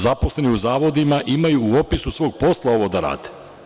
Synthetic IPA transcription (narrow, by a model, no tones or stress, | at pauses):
zaposle̞niuzaːʋo̞d̪imaʔimajuːo̞pisusʋoːɡ̚po̞slˠao̞ʋo̞d̪aɾa̰ːd̪e